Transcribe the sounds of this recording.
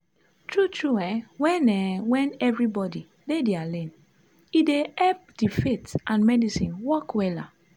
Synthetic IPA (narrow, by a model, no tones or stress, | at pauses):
tɹutʰɹuɛwɛ̃nɛwɛ̃nɛvɹibɔdi | dedealẽn | ideɛp̚difetʔãnmɛdisĩnwɔkwɛla̰